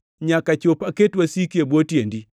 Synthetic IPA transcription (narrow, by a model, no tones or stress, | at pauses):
ɲakat͡ʃopaketwasikjebwotjendi